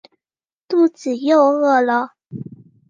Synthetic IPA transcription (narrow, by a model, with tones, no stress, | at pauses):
t̪u˥˩t͡sɹ̩˨˩jo˥˧ʊɤ˥˩lə˨